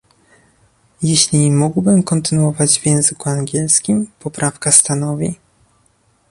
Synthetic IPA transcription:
jeɕlʲimuɡwbɘmkɔnt̪ɘnuɔvad͡ʑvʲjɛ̃w̃zɘkuaŋɡʲɛlskʲimpɔpɾʔafkast̪anɔvʲi

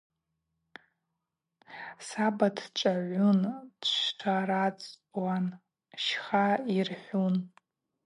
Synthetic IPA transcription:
sabadʰt͡ʃʼaʕʷundʃaɾat͡sʼwan | ʃχairħʷun

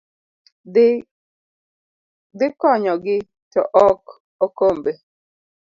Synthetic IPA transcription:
d̪ɪkɔɲɔɡɪ | tɔʔɔk | okombe

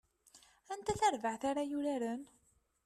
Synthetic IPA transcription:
ænt̪æθæɾvəʕθaɾajuɾaɾən

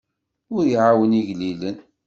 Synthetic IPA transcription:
ʊɾjiʕawəniʝlilən

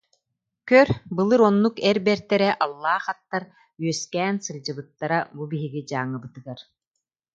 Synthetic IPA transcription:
kœɾbɯlˠɯɾɔnːukɛɾbɛɾt̪ɛɾɛʔalˠːaːχat̪ːaɾ | yœskæːnsɯɾd͡ʑɯbɯt̪ːaɾabubiɦiɡid͡ʑaːŋːɯbɯt̪ɯɡaɾ

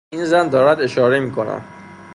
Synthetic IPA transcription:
inzænd̪ɒːɾæd̪e̞ʃɒːɾe̞miːkʰonæ̰m

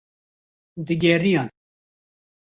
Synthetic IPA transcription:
d̪ɨɡɛrijɑːn

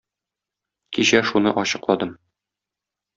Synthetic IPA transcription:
kiɕæʃunɤʔɒɕɤ̆qlˠɑd̪ɤm

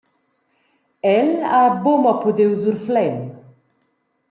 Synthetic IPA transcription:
ɛlabomɐpud̪ewzuɾflɛm

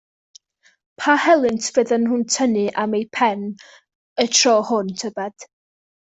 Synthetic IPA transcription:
pʰahɛlˠɨntʰv̥əðənɦʊntʰənɨʔamejpʰɛn | ətʰrɔːhʊntʰəbɛd̥

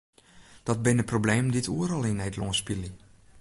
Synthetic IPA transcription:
d̥ɔt̚bɪnəprobleːmditʰuəɾɔlˠinɛjdloːnspili

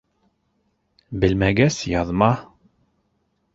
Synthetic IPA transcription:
bɘlmæɡæsjɑðmɑ

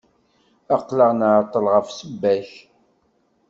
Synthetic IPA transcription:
ɑqːləʁnaʕt̪ˤːəlʁəfsəbːæç

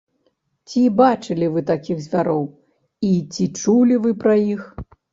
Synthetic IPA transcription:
t͡sʲibat͡ʂɨlʲivɨt̪akʲiɣzʲvʲaɾɔw | it͡sʲit͡ʂulʲivɨpɾɐjix

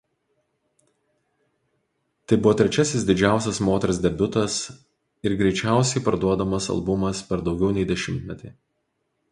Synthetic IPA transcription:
t̪ɐɪbʊʋɔːt̪ʲɾʲɛt͡ʃʲɛsʲɪsd̪ʲɪd͡ʒʲæˑʊsʲɛsmoːt̪ʲɛɾs̬ʲd̪ʲɛbʲʊt̪ɐs | ɪɾɡɾʲɛɪt͡ʃʲæˑʊsʲɛɪpɐɾd̪uɔd̪ɐmɐsɐ̰lˠbʊmɐspʲɛɾd̪ɒʊɡʲɛʊnʲɛɪd̪ʲɛʃʲɪmʲt̪ʲmʲɛt̪ʲiː

